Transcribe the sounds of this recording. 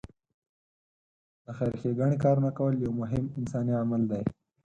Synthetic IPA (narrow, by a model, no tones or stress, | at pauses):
d̪̥əxaɾxeɡaɳikɑɾunakawəljawmʊɦɪmɪnsɑniamald̪aj